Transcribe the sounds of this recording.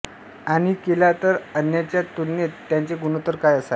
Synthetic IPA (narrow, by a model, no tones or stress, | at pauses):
añikelat̪əɾənjat͡ɕjat̪unːet̪ːjaɲt͡ɕeɡunot̪əɾkajəsal